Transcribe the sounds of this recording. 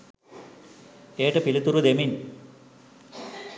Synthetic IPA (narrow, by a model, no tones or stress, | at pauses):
eːʈɨpilut̪ːuɾud̪emin